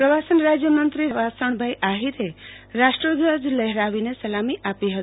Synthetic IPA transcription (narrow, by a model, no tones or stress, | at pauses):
pɾʌʋasənɾad͡zjəmənt̪ɾiɾəʋasəɳ̃bʱajʔaɦiɾeɾasʈɾəɡ̪əd͡zleɦɾaʋinesɐlamiʔapiɦʌt̪